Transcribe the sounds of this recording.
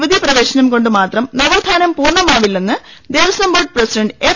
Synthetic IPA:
ʋɐd̪ʱiprɐʋe̞ːɕɐnɐmko̞ɳɖɨmaːt̪rɐmnɐʋɐːd̪ʱaːnɐmpuːrɳɐmaːʋilːenːɨ | d̪e̞ːʋɐsɐmbɐːɖ̚presiɖɐɳɖɨeː

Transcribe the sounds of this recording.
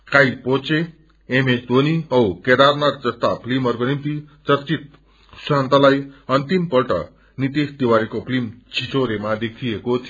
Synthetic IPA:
kajpot͡se | emesd̪ʱoniʌwked̪arnaɾd͡zʌst̪apʰlimʌrɡʌnint̪it͡sʌɾt͡sit̪̚ | sant̪alajʌnt̪impʌɾʈʌ̰ | nit̪isd̪iwaɾikopʰlimt͡sʰit͡soɾemad̪ekʰiekot̪ʰ

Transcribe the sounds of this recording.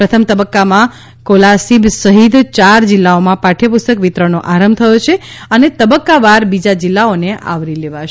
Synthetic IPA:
pɾət̪ʰəmt̪əbəkːamã | kolasibsəɦid̪t͡ʃaɾd͡ʒilːaomãpaʈʰjəpust̪əkʋit̪ɾənoʔaɾəmbt̪ʰəjot͡ʃʰe | ənet̪əbəkːaʋaɾbid͡ʒad͡ʒilːaoneʔa̰ʋɾileʋaʃ

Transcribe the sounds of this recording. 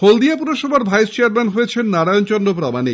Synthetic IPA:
old̪iapuɾoʃɔbʱaɾbʱajst͡ɕeaɾmenɦoet͡ɕʰenːaɽajont͡ɕɔnːop̬ɾɔmani

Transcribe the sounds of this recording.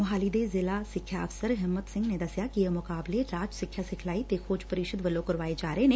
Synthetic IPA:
mʊɦaːlid̪eːzɪlaːsɪkʰjaəfsəɾɦɪmːət̪sɪ̃ŋɡneːd̪əsjaːkiəmʊkaːbleɾaːd͡ʒsɪkʰːjaːsɪkʰlaːit̪ekʰoːd͡ʒpəɾɪʃəd̪ʋəlːoːkəɾʋaːed͡ʒaːɾəeneː

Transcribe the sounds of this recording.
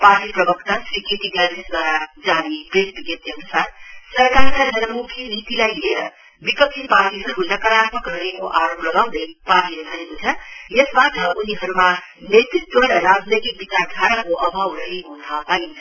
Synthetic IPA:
paʈiprʌbʌkt̪asɾiket̪iɡadisd̪ʱwaɾad͡zanibreʈbiɡet̪ʌnusarsʌɾkaɾkad͡zʌnʌmukʰinit̪ilajleɾʌ | bikʌksʰipaʈiɦʌɾuɦund̪akʌɾat̪mʌkʌrnekoʔaɾoplʌɡaw̃d̪ʌjparʈiɾekʰaniɦunt͡sʰʌjesbaʈʰʌuniɦʌɾuma | net̪rit̪̚ɡʌɽʌɾad͡znet̪ik̚bitadʱʰaɾakoʔʌbʱawɾʌɦiɦutʰapaint͡sʰʌ

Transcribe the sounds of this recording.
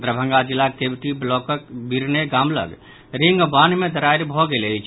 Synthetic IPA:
d̪ɾəbʱə̃ŋɡad͡ʒilːakebʈiblɔkəkbiɾneɡamlə̰ɡ | ɾiŋɡbanmed̪əɾajɾbʱɔɡeləjt͡ʃʰ

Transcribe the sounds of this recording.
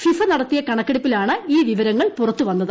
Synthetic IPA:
fifɐnɐɽɐt̪ːijɐkɐɳɐkːɐɽipːilaːɳɨiːʋiʋɐɾɐŋːɐɭpurɐt̪ːuʋɐnːɐðɨ

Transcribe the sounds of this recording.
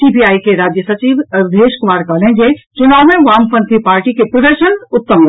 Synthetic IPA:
siːpiaːikeɾaːd͡ʒjəsɐt͡ʃiːʋd̪ʱeːʃkʊmaːɾkɐɦlẽd͡ʒet͡ʃʊnaːwmẽʋaːmpə̃nt̪ʰipaːɾʈikepɾɐd̪əɾʃənʊt̪ːəm

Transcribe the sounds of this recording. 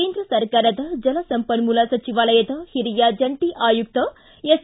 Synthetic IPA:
eːnd̪ɾɐsɐɾkaːɾɐd̪ɐd͡ʒɐlɐsɐmpɐnmulɐsɐt͡ʃiʋaːlɐjɐd̪ɐhiɾijaːd͡ʒɐɳʈiʔaːjuk̚t̪ɐ | es

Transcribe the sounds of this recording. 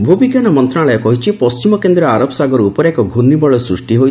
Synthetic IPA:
bʱubiɡjanɔmɔnt̪ɾaɭɔjɔkɔɦit͡ʃʰipɔst͡ʃimɔkend̪ɾɔaɾɔbsaɡɔɾeupɔɾekɔɡʱunːibɔɭɔsɾusʈiɦoj

